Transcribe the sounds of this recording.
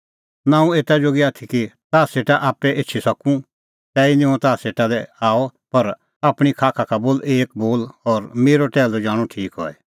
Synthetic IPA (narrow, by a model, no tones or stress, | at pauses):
nãːũeːt̪ad͡ʒoːɡiaːt̪ʰikit̪aːseːʈaʔaːpɛʔeːt͡ʃʰisɐkũ | t̪ɛːinɪ̃ɔ̃t̪aːseːʈad̪ɛaːɔpɐɾ | aːpɽ̃ikʰaːkʰakʰaboːleːk̚boːlɔːɾmeːɾoʈɛːlod͡ʒaːɽ̃ũʈʰiːkɦɔ̰ɛ